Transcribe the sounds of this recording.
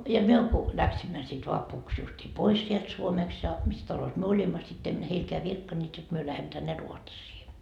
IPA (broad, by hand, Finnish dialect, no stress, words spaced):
jɑ myø ku læksimːæ sit ʋɑpuks justiː pois sielt suomest jɑ mis tɑlos myø olimːɑ sit em heilkeæ ʋirkːɑnːeːt jot myø læhemˑø̆ tænːe ruotsiː